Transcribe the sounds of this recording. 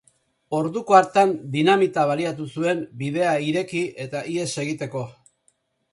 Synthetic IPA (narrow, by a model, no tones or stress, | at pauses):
o̞ɾðuko̞aɾt̪and̪inamit̪aβ̞aliat̪usue̞mbiðe̞aiɾe̞kie̞t̪aʔie̞se̞ɣit̪e̞ko̞